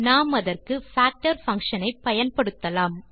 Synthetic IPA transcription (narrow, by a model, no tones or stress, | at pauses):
naːmɐðɐrkɯfaːk̚ʈɐɾfɐŋkʂɐnɐɪpːɐjɐnpɐɽɯt̪ːɐlaːm